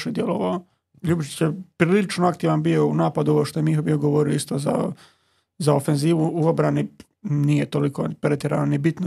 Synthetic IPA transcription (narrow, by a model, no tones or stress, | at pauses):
ʃed̪jeloʋao | ʎubit͡ʃi̥t͡ɕjepɾililit͡ʃnoakt̪iːʋanbio̞ṵnaːpad̪uoʋoʃt̪ojemixobio̞ɡoʋoɾioist̪oza̰ | zaofenziːʋuuobɾani | nijet̪oliko̞pɾet̪jeɾanonibit̪no